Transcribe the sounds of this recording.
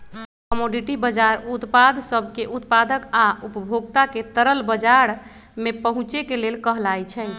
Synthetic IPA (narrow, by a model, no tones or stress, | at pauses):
kəmoɖiʈibəd͡ʒaɾut̪pad̪ʱsəbʱkeʔut̪pad̪əkaupəbʱoɡt̪aket̪əɾəlbəd͡ʒaɾ | mepəɦũt͡ʃekelelkəɦlajt͡ʃʰɛ